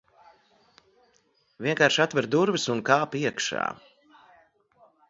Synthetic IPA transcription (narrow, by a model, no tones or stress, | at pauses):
vʲiɛŋkaːɾʃat̪vɛɾd̪uɾvɨsunkaːpiɛkʃa̰ː